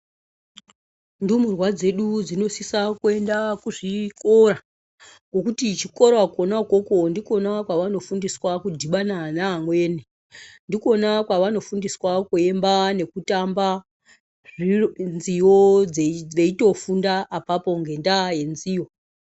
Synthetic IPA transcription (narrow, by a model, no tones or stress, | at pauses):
ndumurwad͡ze̞ɗud͡zino̞sisakue̞ndakuʐiko̞ɾa | ŋɡo̞kutit͡ʃiko̞ɾoakonako̞ko̞ndiko̞nakwaʋano̞fundiswakudʱiɓananamwe̞ːne | ndiko̞nakwaʋano̞fundiswakue̞mbane̞kutamba | ʐinzijod͡zeʋeito̞fundaʔːpapo̞ŋɡe̞ndaje̞nzijo